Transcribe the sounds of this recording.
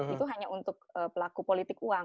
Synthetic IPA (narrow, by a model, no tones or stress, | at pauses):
it̪uɦaɲaʔunt̪ʊk̚əpəlakupolit̪ɪkuaŋ